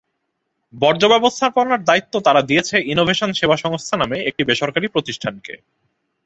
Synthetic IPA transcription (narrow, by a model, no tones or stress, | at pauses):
bɔɾd͡ʑobɛbost̪ʰaponaɾd̪ait̪ːot̪aɾad̪ijet͡ɕʰeʔinobʱeʃonʃebaʃɔŋst̪ʰanameek̚ʈibeʃoɾkaɾipɾot̪iʃʈʰankḛ